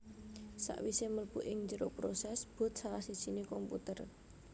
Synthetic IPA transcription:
sa̰ʔwiseməlpuʔɪŋɲd͡ʒəɾopɾosɛsb̥ʊ̤t̪̚saɾasi̥t͡ʃinikɔmput̪ər

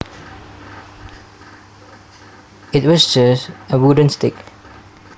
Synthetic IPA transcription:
ɪt̚wɔsd͡ʒəsəɹudə̃nstɪk

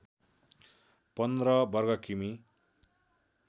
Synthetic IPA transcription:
pʌnd̪rʌbʌrɡʌkimi

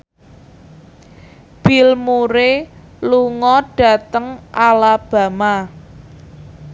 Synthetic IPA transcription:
b̥ilmuɾeluŋɔɖ̥ä̤t̪əŋʔalab̥ä̤ma

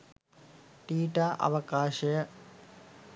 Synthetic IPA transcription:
ʈiːʈaːʔɐ̰ʋɐkaːʃɐjə

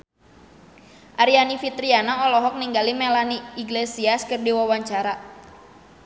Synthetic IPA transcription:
ʔaɾianifit̪ɾianaɔlɔɦɔk̚niŋɡalimɛlaniːɡlesiaskərdiwawaɲt͡ʃaɾa

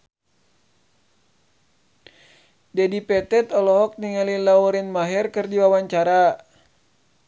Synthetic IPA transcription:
dɛdipɛt̪ɛt̪ɔlɔɦɔk̚niŋalilauɾinmaɦɛrkɨrdiwawaɲt͡ʃaɾa

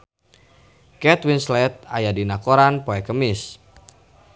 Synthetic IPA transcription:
kɛt̪winslɛt̪̚ajadinakoɾanpoɛkəmɪs

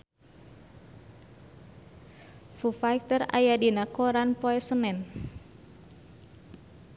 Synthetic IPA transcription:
fufajkt̪əra̰jadinakɔɾanpɔɛsənɛn

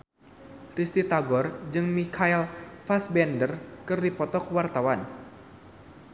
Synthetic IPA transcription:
rist̪it̪aɡɔrd͡ʒɨŋmikʰaɛlfasbɛndərkɨrdipɔt̪ɔkwart̪awan

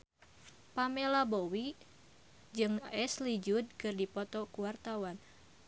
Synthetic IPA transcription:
pamɛlabowi | d͡ʒɨŋɛslid͡ʒud̚kɨrdipɔt̪ɔkuwart̪awan

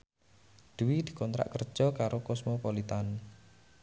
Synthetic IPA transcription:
d̪̥uwid̪̥i̤̥kɔnt̪ɾa̰ʔkər̥ʒ̥ɔ̤kaɾokɔsmopɔlit̪an

